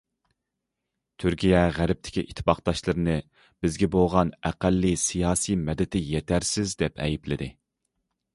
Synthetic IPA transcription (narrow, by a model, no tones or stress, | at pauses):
t̪ʰyɾkʲijɛʁæɾɪp̚t̪ʰɪ̥kʲiʔit̪ʰːpɑqd̪ɑʃlˠɨɾɨnɨ | b̥ɪzɡʲɛbolˠʁɑnæqælːisijɑːsijmɛd̪ɪt̪ʰɪjet̪ʰæɾsɪzd̪ɛpʰɛ̰jiplɪ̰d̪ɪ